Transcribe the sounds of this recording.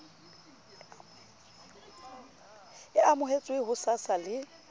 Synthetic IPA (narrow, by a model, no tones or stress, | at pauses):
ɪamʊɦet͡sʼweɦʊsasalɪ